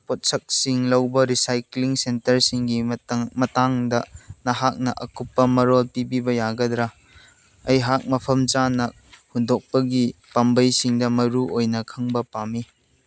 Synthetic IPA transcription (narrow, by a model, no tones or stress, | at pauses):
pot̚sɐk̚siŋlɐwbɐɾisajkliŋsentɐɾsiŋɡimɐtaŋdɐnɐɦak̚nɐʔɐkupːɐmɐɾolpibibɐjaɡɐdɾa | ɐjɦak̚mɐpʰɐmt͡ʃanɐhudok̚pɐɡipambɐjsiŋdɐmɐɾuʔojnɐkʰɐŋbɐpami